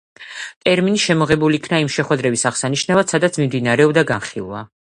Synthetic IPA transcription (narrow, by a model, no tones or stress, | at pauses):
t̪ʼɛɾminiʃɛmɔʁɛbulikʰnaimʃɛχwɛd̪ɾɛbisaʁ̥saniʃnavad̪̥sad̪at̪sʰmimd̪inaɾɛɔbd̪aɡanχilˠwa̰